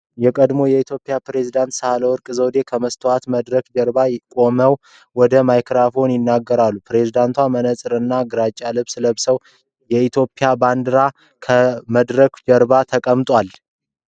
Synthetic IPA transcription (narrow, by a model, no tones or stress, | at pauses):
jɛkʼəd̪mo̞jɛit̪ʰjo̞pʼɪjapɾe̞zid̪ant̪səhaləwɔɾkʼɨzəwd̪e̞kʰəməst̪ʰəwat̪məd̪ɾəkd͡ʒəɾbajkʼo̞məw | wɔd̪əmajkɾafo̞njɪnːaɡːəɾalːupɾe̞zid̪ant̪ʰwamənəsʼɨɾɨnːaɡɨɾat͡ʃʼːalɨβsɨləβsəw | jɛit̪ʰjo̞pʼːɪjaband̪ɨɾa | kʰəməd̪ɾəkd͡ʒəɾbat̪ʰəkʼəmt̪ʼwal